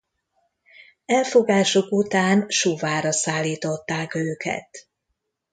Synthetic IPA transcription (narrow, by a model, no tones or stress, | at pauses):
ɛlfoɡaːʃokut̪aːnʃovaːɾɒsaːlːiːt̪o̞t̪ːaːkøːkɛ̰t̪